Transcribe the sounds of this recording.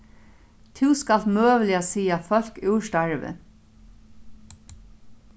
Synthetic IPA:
t̪ʰɪwskal̥t̪møːʋlɪasiːafœl̥kʉːʃt̪aɹʋə̰

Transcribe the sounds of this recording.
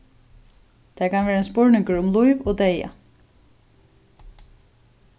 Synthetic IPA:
t̪ʰæɹkʰanʋeːɾaɛnspʊɹnɪŋkəɹʊmlujʋoːd̪eja̰

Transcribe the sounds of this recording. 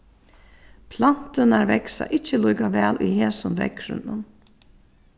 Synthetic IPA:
pʰlan̥t̪ɪnaɾvɛksa̰ʔɪt͡ʃːəlujkaʋɛːlʔujheːsʊnvɛ̰kɾʏ̰nːʊn

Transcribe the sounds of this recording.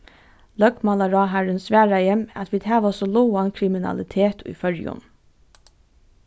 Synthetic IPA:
lœkmɑlaɹɑːɦæɹənsʋæːɹajɛmɑ̰t̪ʋiːd̪hæːʋasɔlɔwankʰɾɪmɪnɑ̰lɪt̪ʰeːt̪ʰʊ̰jfœɹjʊ̰n

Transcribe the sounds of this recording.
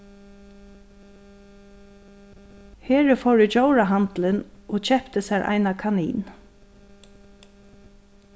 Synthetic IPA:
heːɹəfɔwɹɪd͡ʒowɹaɦant̪lənʔɔːt͡ɕɛpt̪əsæɹʔa̰ɪnakʰanḭːn

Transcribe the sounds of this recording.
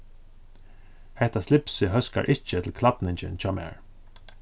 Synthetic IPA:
hɛht̪aslɪpsɪɦœska̰ɹʔɪt͡ʃət̪ʰɪlkʰlat̪nɪɲt͡ʃɪ̰nt͡ɕɔːmɛ̰ːɹ

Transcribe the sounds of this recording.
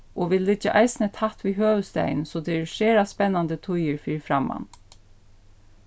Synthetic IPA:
ʔɔʋɪllɪd͡ʒaʔɑɪsnɛt̪ʰaht̪ʋiːɦøːʋəst̪æ̰ɪnsɔd̪ʰɛɛɹʃeːɾaspɛnːand̪ət̪ʰʊjəɾfɪːfɾamːa̰n

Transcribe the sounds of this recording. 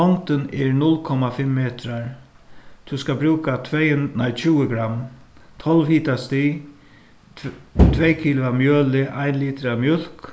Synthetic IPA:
ɔnt̪ɪnɛɹnʊlkʰɔmafɪmːeːt̪ɾaɹ | t̪ʰuskabɾuːkat̪ʰvejnajt͡ʃʰuːəɡɾamːt̪ʰɔlʋhiːt̪ast̪iː | t̪ʰvɛjkʰiːlʊamjøːlɪʔajnliːt̪ɾamjʊl̥k

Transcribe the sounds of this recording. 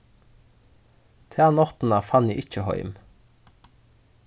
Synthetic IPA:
t̪ʰæːnɔt̪n̩ɑfɑnjiːʔɪc͡çəhœ̰ʏm

